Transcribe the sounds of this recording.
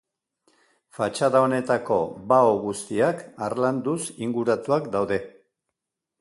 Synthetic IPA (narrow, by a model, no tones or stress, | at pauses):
fat͡ʃaðaone̞t̪ako̞baoɣust̪iakarland̪usiŋɡuɾat̪uakd̪awðe̞